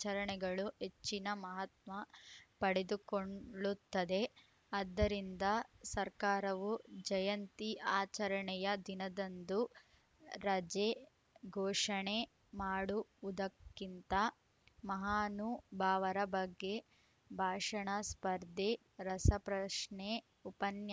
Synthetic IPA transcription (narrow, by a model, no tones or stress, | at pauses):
t͡ʃɐɾɐɳɛɡɐɭuɦet͡ʃːinɐmɐɦɐt̪mɐpɐɽed̪ukoɳɭut̪ːɐd̪e̞ | ɐd̪ːɐɾind̪ɐsɐɾkaːɾɐʋud͡ʒɐjɐnt̪iʔaːt͡ʃɐɾɐɳɛjɐd̪inɐd̪ɐnd̪u | ɾɐd͡ʒe | ɡʱɔːʂɐɳe | maːɽuʋud̪ɐkːint̪ɐ | mɐɦaːnubʱaːʋɐɾɐbɐɡːe̞ | bʱaːʂɐɳɐspɐɾd̪ʱe | ɾɐsɐpɾɐʂɳe | upɐnjɐ